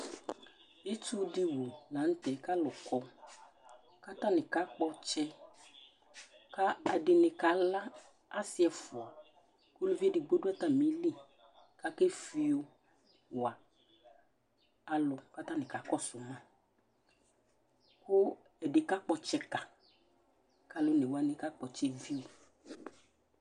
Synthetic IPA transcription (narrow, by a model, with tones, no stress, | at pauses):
e˦t̪u˦di˦wo˨nã˨˦n̩˦t̪ɛ˨ka˦lʊ˨kɔ˨ | ka˦t̪ã˦nɪ̃˨ka˦k͡pɔ˦t͡ʃɛ˦ | ka˦a˨ɖɪ˨nɪ̃˨ka˨la˦ | a˦sɪ˦ɛ˨fʊ˨a˨ | ku˦lu˦vi˦e˦dɪ˨ɡ͡bo˦ɖu˦ɛ˦t̪a˦mĩ˨˦li˦ | ka˦ke˦fi˦o˦ | wa˨ | a˨lʊ˨ka˦t̪a˦nɪ̃˨ka˨˦kɔ˦sʊ˨mã˦ | kʊ˦ | ɛ˨ɖe˨ka˦k͡pɔ˨t͡ʃɛ˦ka˨ | ka˦lo˦ne˨wa˦nẽ˨ka˦k͡pɔ˨t͡ʃɛ˦vi˦o˨